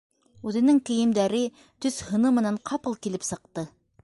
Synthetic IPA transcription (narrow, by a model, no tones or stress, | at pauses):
ʉðɘ̆nɘŋkɘ̆jɘ̆md̪æɾɘ | t̪ɵθhɤ̆nɤmɘ̆næɴqʰɑpɤlˠkilɘpsɤ̆q̚t̪ɤ